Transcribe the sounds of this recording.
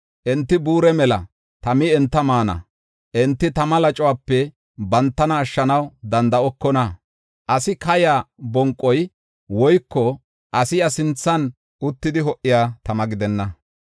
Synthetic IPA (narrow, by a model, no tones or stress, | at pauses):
ʔɛnt̪ːɪbuːɾɛmɛlɐ | t̪ɐmɪɛnt̪ːɐmaːnɐ̰ | ʔɛnt̪ːɪt̪ɐmɐlɐt͡ʃʼɔwaːpːɛ | bɐnt̪ːɐnɐːʃːɐnɐwd̪ɐnd̪ɐɔkːɔnɐ | ʔɐsɪkɐjaːbɔŋkʼːɔj | wɔjkːɔ | ʔɐsɪjɐsɪnt͡sːɐn | ʊt̪ːɪd̪ɪɦɔʔːɪjaːt̪ɐmɐɡɪd̪ɛnːɐ